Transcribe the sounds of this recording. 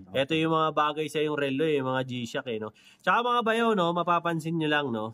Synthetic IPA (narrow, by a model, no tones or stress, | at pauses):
ʔɛt̪ojʊŋmɐŋabaːɡɐjsɐjʊŋɾɛlːoʊŋmɐŋad͡ʒiːʃɐkɛno̞ | t͡ʃɐkamɐŋabɐjawno̞mɐpaːpɐnsɪnɲʊlɐŋno̞